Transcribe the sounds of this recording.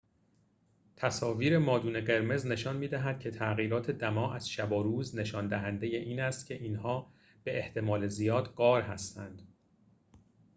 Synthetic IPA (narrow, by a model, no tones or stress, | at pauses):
t̪ʰæsɒːviːɾe̞mɒːd̪uːne̞ɢe̞ɾme̞zne̞ʃɒːnmiːd̪æɦæd̪̥̚cʰe̞t̪ʰæɣiːɾɒːt̪ʰe̞d̪æmɒːʔæz̥ʃæbɒɾuːzne̞ʃɒːnd̪æɦænd̪e̞jeʔiːnæst̪cʲʰe̞ʔiːnhɒː | b̥e̞ʔeht̪ʰe̞mɒːle̞zijɒːd̪ɢɒːɾɦæst̪ænd̪̥